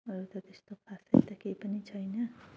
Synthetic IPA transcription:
ʌɾut̪ʌt̪est̪opʰasʌ̰jt̪ʌkejpʌnit͡sʰʌjnʌ

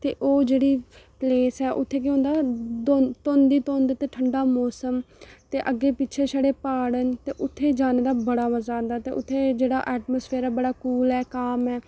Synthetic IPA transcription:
t̪eːʔoːd͡ʒeːɽiːpleːsɛːʔʊt̪ʰːeːk̬õːnd̪aːd̪ot̪oːnd̪iːt̪oːnd̪t̪eːʈʰəɳɖaːmɔːsəmt̪eːʔəɡːeːpɪtːʃʰeːʃəɽeːpaːɽənt̪eːʔʊt̪ʰːeːd͡ʒaːneːd̪aːbəɽaːʋəzaːnd̪aːt̪ḛːʔʊt̪ʰːeːd͡ʒeːɽa̰ːʔɛːʈmoːspʰeːɾaːbəɽaːkuːlɦɛːkaːmɦɛː

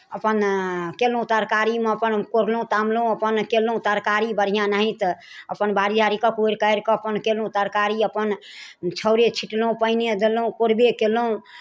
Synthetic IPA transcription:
əpənkelũt̪əɾkaɾimeəpənkoɾlũt̪amlũəpənkelũt̪əɾkaɾibəɾ̤ijãnaɦĩt̪ | əpənbaɾid͡ʒʱaɾikəkoiɾkəjɾkɔəpənkelõt̪əɾkaɾiəpən | t͡ʃʰəʊɾet͡ʃʰiʈlũpəɪned̪elũkoɾbekeloũ

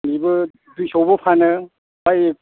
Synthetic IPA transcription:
mibɯ | dujsowbɯpʰanɯ | bajek̚

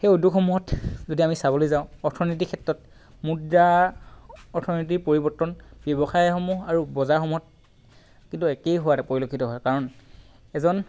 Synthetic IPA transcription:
xejodukxɔmuɦɔtzodiamisabolojzãʊ̃ɔɹtʰɔnit̬ikʰɛtɹɔt | muda | ɔɹtʰɔnit̬iɹpoɹibɔɹtːɔnb̥jɔbɔxajxɔmuɦaɹubɔzaɹxɔmuɦɔt̚ | kintuɛkejɦowatɛpoɹilokʰitɔɦɔjkaɹɔn | ɛzɔn

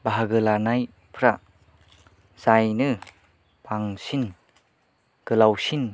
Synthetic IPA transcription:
baɦaɡɯlanaj | pʰɾa | z̥ajnɯ | baŋsin | ɡ̥ɯlawsin

